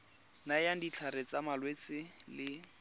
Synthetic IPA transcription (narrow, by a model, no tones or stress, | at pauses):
najandit͡ɬʰaɾet͡samalwet͡sɪlɪ